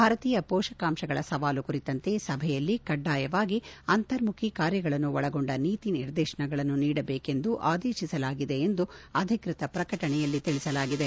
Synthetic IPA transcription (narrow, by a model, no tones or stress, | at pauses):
bʱaːɾɐt̪iːjɐpɔːʂɐkaːmʃɐɡɐɭɐsɐʋaːlukuɾit̪ɐnt̪e̞sɐbʱɛjɐlːikɐɖːaːjɐʋaːɡiɐnt̪ɐɾmukʰikaːɾjɐɡɐɭɐnːuʋɔɭɐɡoɳɖɐniːt̪iniɾd̪eːʃɐɳɐɡɐɭɐnːuniːɽɐbeːke̞nd̪uʔaːd̪eːʃisɐlaːɡid̪e̞ːnd̪uɐd̪ʱikɾit̪ɐpɾɐkɐʈɐɳɛjɐlːit̪iɭisɐlaːɡid̪e